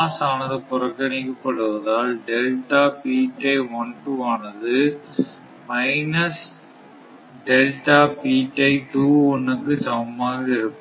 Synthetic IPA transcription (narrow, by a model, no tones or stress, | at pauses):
aːsaːnɐðɯpʊɾɐkːɐnɪkːɐpːɐɽɯʋɐðaːlɖɛlʈaːpiːʈːɐɪʋɔnʈuaːnɐðɯ | mɐɪnɐs | ɖɛlʈaːpiːʈːɐɪʈuːɔnːɯkːɯsɐʋmaːɣɐɪɾɯpːɯ